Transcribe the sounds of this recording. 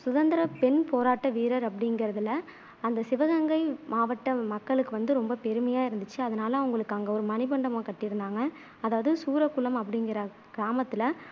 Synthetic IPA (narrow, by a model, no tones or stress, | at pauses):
sʊðɐnd̪ɪɾɐpɛnpoːɾaːʈːɐʋiːɾɐɾɐpːɐɽɪŋɡɪɾɐðɪlɐ | ɐnd̪ɐsɪʋɐɣɐŋɡɐɪmaːʋɐʈːɐmɐkːɐɭɯkːɯʋɐnd̪ɯɾɔmbɐpɛɾɯmɐjaːɪɾɯnd̪ɯt͡ʃːɯɐðɐnaːlɐʊŋɡɐɭɯkːaːŋɡɐɔɾɯmɐnɪpɐɳɖɐmõːkɐʈːɪɾɯnd̪aːŋɡɐː | ðaːʋɐðɯsuːɾɐkːʊlɐmɐpːɐɽɪŋɡɪɾɐ | ɡ̥ɪɾaːmɐt̪ːɪlɐ